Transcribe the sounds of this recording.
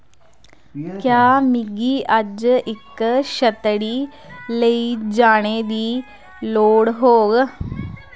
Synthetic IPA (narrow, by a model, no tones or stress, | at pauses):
kjaːmiɡiɐd͡ʒɪkːʃɐt̪əɽiː | leid͡ʒaːɽ̃eːd̪iː | loːɽɦoːɡ